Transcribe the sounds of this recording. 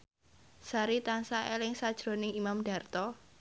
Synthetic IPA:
saɾit̪ansaʔelɪŋsad̥ʒ̥ɾo̤nɪŋimamɖ̥a̤rt̪ɔ

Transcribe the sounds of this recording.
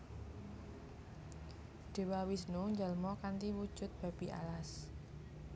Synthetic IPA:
ɖ̥e̤wawisnuɲd͡ʒalmɔkant̪iwud̥ʒ̥ʊ̤t̪̚b̥a̤b̥iʔa̰las

